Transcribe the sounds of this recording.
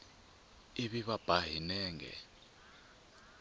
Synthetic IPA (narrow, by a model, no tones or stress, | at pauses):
iɓiβab̥ʱaɦinɛːŋɡɛ̰